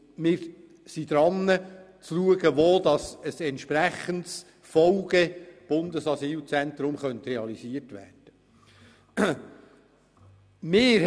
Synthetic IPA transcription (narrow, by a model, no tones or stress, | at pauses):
mɪːɾ | sid̪ɾɑnːət͡sluəɡəʋoːd̪̥ɑsəsɛntʃpɾæχənts | fɔlɡ̥ɛb̥ʊnd̪əsɑsiːlt͡sɛnt̪ɾʊmχœnt̪reɑlisiətʋæ̰ːrd̥ə | mɪː